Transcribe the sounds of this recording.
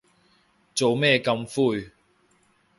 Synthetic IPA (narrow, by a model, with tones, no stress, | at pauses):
t͡so˨wmɛː˥˧kɐ˧mfuː˥˧j